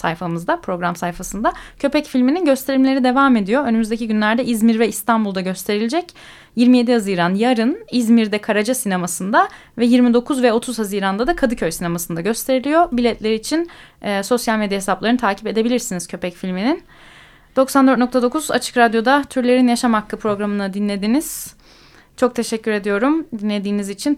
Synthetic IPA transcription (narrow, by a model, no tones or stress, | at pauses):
sa̰jfamɯzd̪apʰɾo̞ɡɾamsajfasɯnd̪acʰø̞pɛcfilʲmininɟø̞st̪ʰe̞ɾimlʲe̞ɾid̪e̞vaːme̞d̪ijo̞ønymyzd̪ecʰiɟynlʲæɾd̪ɛizmiɾvɛist̪ʰanbulˠd̪aɟø̞st̪ʰe̞ɾilʲed͡ʒɛc | jiɾmije̞d̪ihaziːɾanjaɾɯnizmiɾd̪ɛkʰaɾad͡ʒasine̞masɯnd̪a | vɛjiɾmid̪o̞kʰuzvɛo̞t̪ʰuzhaziːɾand̪ad̪akʰad̪ɯcʰøjsine̞masɯnd̪aɟø̞st̪ʰe̞ɾilʲijo̞bilʲɛt̪lʲeɾiːt͡ʃʰinːso̞sjalʲmed̪jaɦesaplˠaɾɯnt̪ʰaːcʰipe̞d̪e̞bilʲiɾsiniz̥cʰø̞pʰɛcfilʲminin | d̪o̞ksand̪øɾt̪nok̚t̪ʰad̪o̞kʰuza̰t͡ʃʰɯ̥kɾad̪jo̞d̪at̪ʰyɾlʲe̞ɾinjaʃamhakːɯpʰɾo̞ɡɾamɯnad̪inlːʲe̞d̪iniz̥ | t͡ʃʰo̞k̚t̪ʰe̞ʃɛcʰːyɾe̞d̪ijo̞ɾumd̪inlːʲe̞d̪iːnizit͡ʃʰin